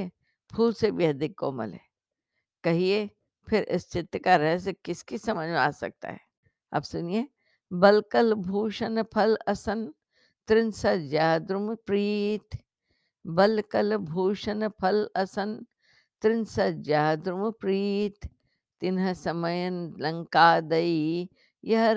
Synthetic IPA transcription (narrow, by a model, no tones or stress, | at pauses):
e | pʰuːlsebiɦɐd̪ɪkːo̰ːmɐ̰lɦɛ̰ː | kɐɦie | pʰɪɾʔɪ̰st͡ʃɪt̪ːkaɾɐɦsekɪskisɐməd͡ʒmea̰ːsɐ̰k̚t̪a̰ɦɛ̰ː | a̰ːpsʊnie | bɐlkəlbʱuːʃənpʰɐlɐsɐn | t̪ɾɪnsɐd͡ʒaːd̪ɾʊmpɾiːt̪ | bɐlkɐlbʱuːʃənpʰɐlɐsɐn | t̪ɾɪnsɐd͡ʒaːd̪ɾʊmpɾiːt̪ː | ɪnɦəsɐməjənlɐ̃ŋkaːd̪ɐi | jɐɦ